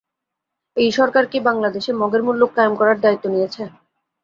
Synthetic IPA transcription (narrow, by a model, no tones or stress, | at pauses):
ejʃɔɾkaɾkibaŋlad̪eʃemɔɡeɾmulːokːajomkɔɾaɾd̪ait̪ːonijet͡ɕʰe